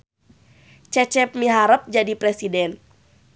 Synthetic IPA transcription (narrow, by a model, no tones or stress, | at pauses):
t͡ʃɛt͡ʃɛp̚miɦaɾəp̚d͡ʒadipɾɛsidɛn